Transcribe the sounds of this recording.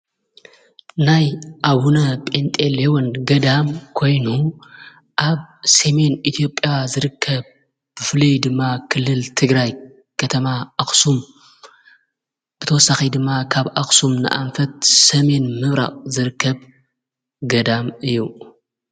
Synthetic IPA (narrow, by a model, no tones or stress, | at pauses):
najʔawunɐpʼent̪ʼelewonɡɐd̪amkʰo̞jnu | ʔaβsɐme̞nʔit̪ʰijo̞pʼjazɨɾɨkʰːɐβ | b̥ɨfɨlɐjd̪ɨmːakʰɨlːɨlt̪ʰɨɡɾaj | kʰɐt̪ʰɐmaʔaxsum | b̥ɨt̪ʰɐwɔsːaxid̪ɨmːakʰaβʔaxsumnɨ̰ʔa̰nfɐt̪̚sɐme̞nmɨβɾa̰qʼzɨɾɨkʰːɐβ | ɡɐd̪amɨjːu